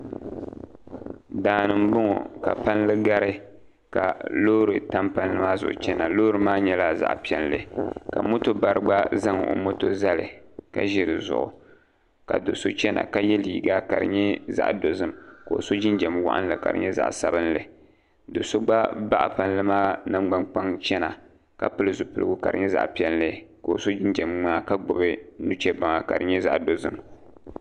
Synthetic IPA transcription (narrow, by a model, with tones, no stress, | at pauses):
daː˨nɨ˨m̩˦bʊ˦ŋɔ̰˨ka̰˨pa˦n˦lɨ˦ɡa˦ɾɨ˦ | ka˨loː˦ɾɨ˨ta˦mpa˦n˦lɨ˦maː˦zʊ̰˨ʔʊ̰˨t͡ʃɛ˦na˨loː˦ɾɨ˨maː˦ɲɛ˦la˦za̰˦ʔpi˦ɛ˦nlɨ̰˨ka̰˨mo˦to˦ba˨ɾɨ˦ɡ͡ba˦za˦ŋ˨o̰˨mo˦to˦za˦lɨ̰˨ka˦ʒɪ˨ɾɨ˨zʊ̰˨ʔʊ˨ | ka̰˨do˨so˦t͡ʃɛ˦na̰˨ka˦jɛ˦liː˨ɡa˦ka̰˨ɾɨ̰˨ɲɛ˦za̰˦˨ʔdo˨zɨ˦mko˨o̰˨so˦d͡ʒɪ˦nd͡ʒɛ˨mwa̰˦ʔa̰˦n˦lɨ˨ka̰˨ɾɨ̰˨ɲɛ˦za̰˨ʔsa˦bɨ˦n˦lɨ˨ | do˨so˦ɡ͡ba˦ba˦ʔa̰˨pa˨n˦lɨ˦maː˦nɨ˦ɡ͡ba˦ŋk͡pa˦ŋt͡ʃɛ˦na˨ | ka˦pɨ˦lɨ˨zʊ˨pɨ˦lɨ˦ɡu˦ka˨ɾɨ˨ɲɛ˦za̰˦˨ʔpi˦ɛ˦n˦lɨ˦ko˨so˦d͡ʒɪ˦nd͡ʒɛ˨mŋ͡maː˦ka˦ɡ͡bʊ˨bɨ˦nu˦t͡ʃɛ˦ba˨ŋa˨ka̰˨ɾɨ˨ɲɛ˦za˦ʔdo˨zɨ̰˦m